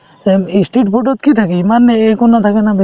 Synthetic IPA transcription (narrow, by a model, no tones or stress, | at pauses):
eisʈeʈ̚boʈot̪̚kit̪ʰakimanːeekonːat̪ʰakenabe